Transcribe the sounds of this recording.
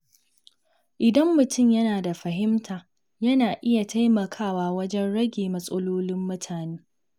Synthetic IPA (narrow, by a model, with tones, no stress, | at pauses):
ʔɪ˨dɐ˦mːʊ˨tʊ˦˨mjɐ˦naː˨da˨ɸɐ˨ɦɪ˦mtʰaː˨ | jɐ˦naː˨ʔɪ˦ja˨ta˦jmɐ˨kʰaː˦˨waː˦˨wɐ˦d͡ʒɛ˦nɽɐ˦ɡʲeː˨mɐ˦sʼɐ˦loː˦lɪ˦mːʊ˦tʰaː˨neː˦